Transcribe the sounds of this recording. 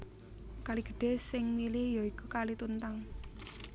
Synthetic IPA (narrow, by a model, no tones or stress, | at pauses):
kaliɡ̥ə̥̤ɖ̥e̤sɪŋmilɪhjoikukalit̪unt̪aŋ